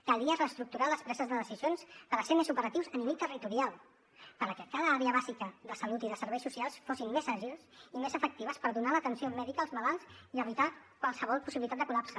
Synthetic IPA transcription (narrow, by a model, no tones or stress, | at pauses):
kəlˠiərəːst̪ɾuk̚t̪uɾaləspɾɛzəzðəðəsizionspəɾəseɾmezupəɾət̪iwzənieʎt̪ərit̪uɾialˠ | pəɾləkɛkaðəaɾiəβazikəðəsəlut̪iðəsəɾβɛjsːusialˠsfosinmezaʒilˠsimezəfək̚t̪iβəspəɾðunalət̪ənsiomɛðikəːlˠzməðalˠziəβit̪a | kwalˠsəβɔlˠpusiβilit̪ad̪d̪əkulapsa